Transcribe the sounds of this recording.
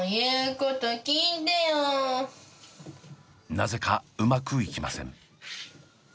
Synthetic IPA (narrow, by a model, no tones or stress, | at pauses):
jɯːkot̪okʲiːd̪ejo | naze̞kaɯ̟makɯ̟ikʲima̰sẽ̞̰ŋ